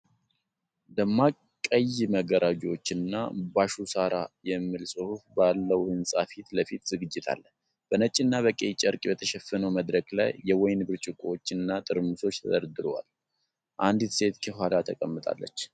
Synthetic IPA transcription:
d̪əmːa | kʼːəjməɡəɾad͡ʒot͡ʃːɨnːa̰baʃusaɾajɛmːilsʼɨhufbalːəwhɨnsʼafit̪ləfit̪zɨɡɨd͡ʒːɪt̪ʰa̰lːə | b̥ənət͡ʃʼɪnːaβəkʼet͡ʃʼəɾkʼibət̪ʰəʃɛfənəwməd̪ɾəɡlajːɛwɔjnbɨɾt͡ʃʼɪkʼwot͡ʃːɨnːat̪ʼɨɾmɨso̞t͡ʃːt̪ʰə̰d̪əɾd̪ɨɾowa̰l | ʔand̪it̪se̞t̪kʰəɦwalat̪ʰəkʼəmːɨt̪ʼa̰lːə̰t͡ʃː

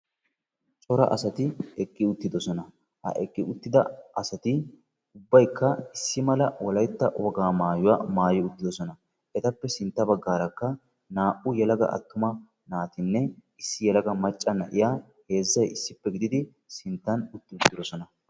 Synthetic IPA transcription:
t͡ʃʼɔɾɐ̰ʔɐsɐt̪ɪɛkʼːɪʊt̪ːɪd̪ɔsɔnɐ | hɐ̰ʔɛkʼːɪʊt̪ːɪd̪ɐɐsɐt̪ɪ | ʊbːɐjkːɐɪsːɪmɐlɐwɔlɐjt̪ːɐ̰wɔɡaːmaːjʊwaːmaːjɪʊt̪ːɪd̪ɔsɔnɐ | ʔɛt̪ɐpːɛsɪnt̪ːɐbɐɡːaːɾɐkːɐ | naːʔʊjɛlɐɡɐ̰ʔɐ̰t̪ːʊmɐ | naːt̪ɪnːɛ | ɪsːɪjɛlɐɡɐmɐt͡ʃʼːɐnɐ̰ʔɪjaː | he̞ːzːɐjɪsːɪpːɛɡɪd̪ɪd̪ɪ | sɪnt̪ːɐnʊt̪ːɪʊt̪ːɪd̪ɔsɔnɐ

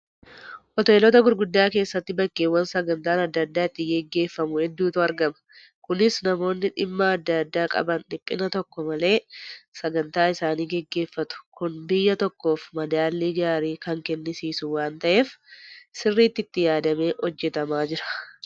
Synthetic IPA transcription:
ʔɔt̪oɛlɔt̪ɐɡʊɾɡʊd̪ːaːke̞ːsːɐt̪ːɪbɐkːeːwɐnsɐɡɐnt̪aːnɐd̪ːɐd̪ːaːɪt̪ːɪɡɛɡːe̞ːfːɐmʊhɛd̪ːuːt̪ʊɐɾɡɐmɐ̥ | kʊnɪsnɐmo̞ːnːɪᶑɪmːaːd̪ːɐd̪ːaːkʼɐ̰bɐnᶑɪpʼːɪnɐt̪ɔkːɔmɐle̞ːsɐɡɐnt̪aːɪsaːniːɡɛɡːe̞ːfːɐt̪ʊ̥kʊnbɪjːɐt̪ɔkːo̞ːfmɐd̪aːlːiːɡaːɾiːkɐŋkɛnːɪsiːsʊwaːnt̪ɐʔe̞ːfsɪrːiːt̪ːɪt̪ːɪjaːd̪ɐme̞ːhɔd͡ʒːɛt̪ɐmaːd͡ʒɪɾɐ̥

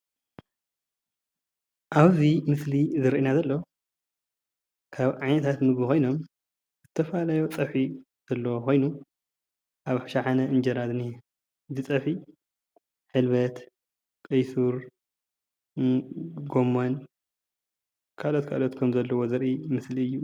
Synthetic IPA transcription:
ʔaβzimɨslizɨɾʔinazɐlːo | kʰaβʕajnɐt̪ʰat̪mɨɡixo̞jno̞m | zɨt̪ʰːɐfalajot͡sʼɐħi | z̥ɐlːɐwxʰo̞jnu | ʔaβħʃaħanɐʔɨnd͡ʒɐɾad̪ni | zɨt͡sʼɐħi | ħɨlβɐt̪ | kʼɨjsuɾ | ɡo̞mːon | kʰalot̪kʰa̰lot̪kʰɐmzɐlːɐwozɨɾʔimɨsliɨjːu

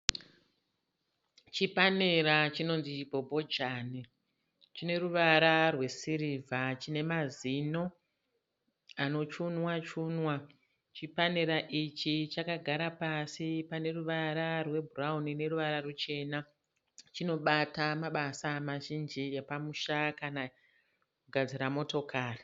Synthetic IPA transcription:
t͡ʃipaneɾat͡ʃino̞nzit͡ʃbʱo̞bʱo̞d͡ʒani | t͡ʃine̞ruʋaɾarwe̞siɾivʱat͡ʃine̞mazino̞ | ano̞t͡ʃunwat͡ʃunwa | t͡ʃipaneɾaʔit͡ʃit͡ʃakaɡʱaɾapasipane̞ruʋaɾarwe̞bʱuraunine̞ruʋaɾarut͡ʃe̞na | t͡ʃino̞ɓatamaɓasamaʒind͡ʒijepamuʃakana | kuɡʱad͡ziɾamo̞to̞kʰaːri

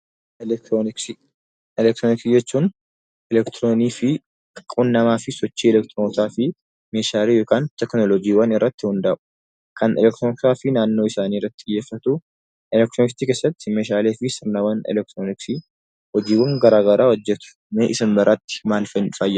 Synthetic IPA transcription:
oɪki | ɛlɛk̚t̪ɾoːnɪksid͡ʒɛt͡ʃːuːn | ʔɛlɛkt̪ɾoːniːfɪ | kʼunːɐmaːfɪsɔt͡ʃːiːɛlɛk̚t̪ɾot̪aːfɪ | meːʃaːleːjoːkaːnt̪ɛknɔlɔd͡ʒiːwɐnɪrːɐt̪ːɪhʊnd̪aːʔʊ̥ | kʰɐnʔɛ̰lɛk̚t̪ɾonɪksaːfɪnaːnːoːɪsaːniːrɐt̪ːɪjːeːfːɐt̪u | ʔɛlɛk̚t̪ɾonɪkt̪iːke̞ːsːɐt̪ːɪmeːʃaːleːfɪsɪɾnɐwɐnɛ̰lɛk̚t̪ɾonɪksi | hɔd͡ʒiːwɐŋɡɐɾaːɡɐɾʔaːwɔd͡ʒːɛt̪ʊ̥ | meʔɪsɐnbɐɾʔat̪ːɪ̥maːlfɐnᶑɪfaːjːɐ

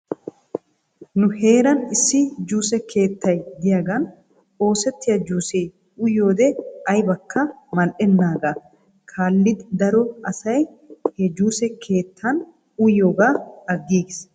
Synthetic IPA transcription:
nʊhe̞ːɾɐnɪsːɪd͡ʒuːsɛkʰe̞ːt̪ʰːɐjd̪ɪjaːɡɐn | o̞ːsɛt̪ːɪjɐd͡ʒuːsɛj | ʊjːo̞ːd̪ɛɐjbɐkʰːɐmɐlʔɛnːaːɡa | kʰaːlːɪd̪ɪd̪ɐɾɔɐsɐj | hɛd͡ʒuːsɛkʰe̞ːt̪ʰːɐn | ʊjːo̞ːɡaːɐɡːiːɡɪs

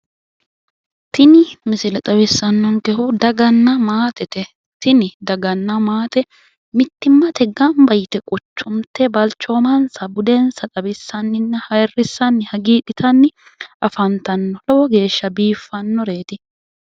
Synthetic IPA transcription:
t̪ɪnɪmɪsɪlɛt̪ʼɐbɪsːɐnːɔŋkɛɦʊd̪ɐɡɐnːɐmaːt̪ɛt̪ɛ | t̪ɪnɪd̪ɐɡɐnːɐmaːt̪ɛ | mɪt̪ːɪmːɐt̪ʰɛɡɐnbɐjɪt̪ɛkʼɔt͡ʃːʊmt̪ɛbɐlt͡ʃːo̞ːmɐnsɐbʊd̪ensɐt̪ʼɐbɪsːɐnːɪnːɐhɐjrːɪsːɐnːɪhɐɡiːᶑɪt̪ʰɐnːɪ | ʔɐfɐnt̪ɐnːɔlɔwɔɡe̞ːʃːɐbiːfːɐnːɔɾe̞ːt̪ɪ

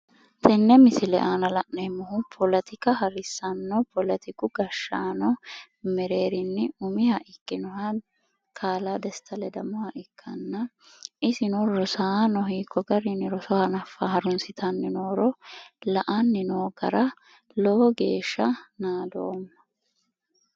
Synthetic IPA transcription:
t̪ʰɛnːɛmɪsɪlɛ̰ʔaːnɐlɐʔnɛmɔhʊpʰɔlɛt̪ʰɪkɐɦɐɾɪsːɐnːɔpʰɔlɛt̪ɪkʊɡɐʃːaːnɔ | mɛɾe̞ːɾɪnːɪʊmɪhɐʔɪkːɪnɔhɐ | kʰaːlaːd̪ɛst̪ʰɐlɛd̪ɐmɔhɐʔɪkʰːɐnːɐ | ʔɪsɪnɔɾɔsaːnɔɦiːkːɔɡɐɾɪnɪɾɔsɔhɐnɐfːɐɦɐɾʊnsɪt̪ʰɐnːɪnoːɾɔlɐʔɐnːɪnoːɡɐ̰ɾɐ | lɔɔɡe̞ːʃːɐnaːd̪o̰ːmːɐ̥

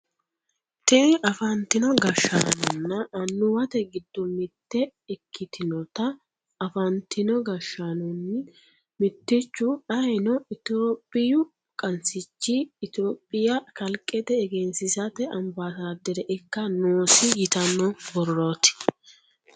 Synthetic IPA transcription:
t̪ɛʔɐfɐnt̪ɪnɔɡɐʃa̰nɔnːɐʔɐnːʊwɐt̪ɛɡɪd̪ːɔmɪt̪ːɛɛkʰːɪt̪ʰɪnɔt̪ɐ | ɐfɐnt̪ɪnɔɡɐʃːanʊnːɪ | mɪt̪ːɪt͡ʃːʊɐɛnɔɪt̪oːpʼːɪjʊ | kʼɐnsɪt͡ʃːɪːt̪oːpʼːɪjɐkɐlkʼːɛt̪ɛːɡɛnsɪsɐt̪ɛʔɐmbasaːd̪ɛɾɛʔɛkːɐnoːsɪjɪt̪ɐnːɔbɔrːoːt̪ɪ̥

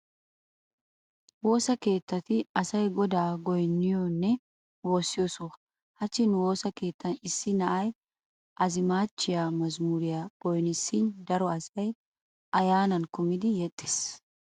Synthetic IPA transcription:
wo̞ːsɐke̞ːt̪ːɐt̪ɪɐsɐjɡɔd̪aːɡɔjnːɪjɔnːɛ | wo̞ːsːɪjoːso | hɐt͡ʃːɪnwo̞ːsɐke̞ːt̪ːɐnɪsːɪnɐʔɐj | ʔɐzɪmaːt͡ʃːɪjaːmɐzmuːɾɪjaɡ̥ɔjnɪsːɪnd̪ɐɾɔɐsɐj | ʔɐjaːnɐnkʊmɪd̪ɪjɛt̪ʼːɪ̥s

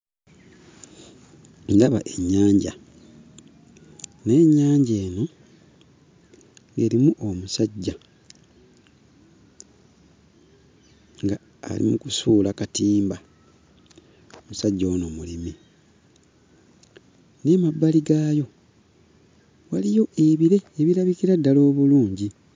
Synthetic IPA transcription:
ŋɡaβaʔe̞ɲːaːɲɟa̰ | ne̞ːɲːaːɲɟe̞ːno̞ | ŋɡe̞ɾimuʔomusaɟːa | ŋɡa̰ː | lḭmukusuːlakatiːmba | omusaɟːaono̞mulimi | nemabːaliɡaːjo̞ | walijo̞ʔeβiɾeːβiɾaβiciɾadːalo̞ːβuluːɲɟi

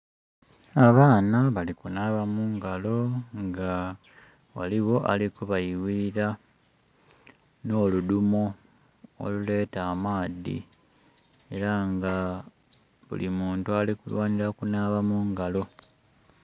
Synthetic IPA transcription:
aβaːnaβalikunaːβamuːŋɡalo̞ŋɡa | wa̰liɣo̞ʔa̰likuβaiwiɾa | no̞ːludumo̞ | o̰lule̞ːtaːmaːðḭ | e̞ɾaŋɡa | βṵlimuːntualikulwaːniɾakunaβamuːŋɡalo̞

